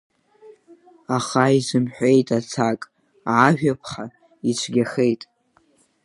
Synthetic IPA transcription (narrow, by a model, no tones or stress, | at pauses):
aχaizɨmħʷᶣe̞jtʼat͡sʰakʼː | ʒᶣapʰχa | it͡ʃʷʰɡʲaχejtʼ